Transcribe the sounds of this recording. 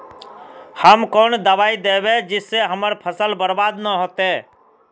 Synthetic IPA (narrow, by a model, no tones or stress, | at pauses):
həmkoːnd̪əʋaːid̪eːbed͡ʒɪsːeɦəməɾpʰəsəlbəɾbaːd̪nəɦoːt̪eː